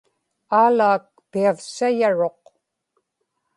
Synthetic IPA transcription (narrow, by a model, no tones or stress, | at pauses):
aːlaːk̚piavsajaɻo̞q